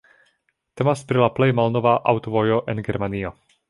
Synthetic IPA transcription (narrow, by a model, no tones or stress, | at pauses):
t̪e̞maspɾilaplejmalno̞vaʔawtovojo̞ʔenɡe̞ɾmanio̞